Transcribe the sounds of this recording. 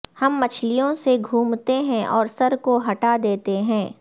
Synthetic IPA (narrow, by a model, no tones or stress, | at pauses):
hɐmːɐt͡ʃʰlijõseɡʱuːmt̪eɦɛ̃ʔɔːɾsɐɾkoɦɐʈad̪eːt̪eɦɛ̃ː